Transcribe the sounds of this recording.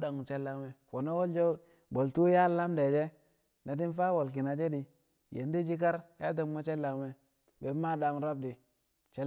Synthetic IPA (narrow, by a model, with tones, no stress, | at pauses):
da˨ŋ˨t͡ʃe˦lːa˨˦we˦fo˨no˦wo˦ld͡ʒo˦ | bo˨ltu˦ja˦lːa˦mde˨d͡ʒe˦ | na˨ti˦n˦fa˦wo˨lk̬i˨na˨d͡ʒe˦di˨ | jḛ˨n˦di˦d͡ʒi˦k̬a˦ɾja˦t̬a˨ŋ˦ma˦t͡ʃe˦lːa˨we˦ | be˨˦ma˦da˨ŋ˦ɾa˦b̚di˨ | t͡ʃe˦